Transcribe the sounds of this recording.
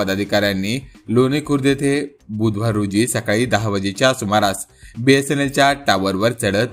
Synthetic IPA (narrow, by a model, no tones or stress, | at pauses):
əd̪ad̪ʱikaɾjanːiːlonikuɾd̪et̪ʰe | bud̪ʱʋaɾod͡ʑiːsəkaɭiːd̪aɦaʋəd͡ʑet͡ɕjasumaɾas | biesenet͡ɕjaʈaʋəɾʋəɾt͡səɭət̪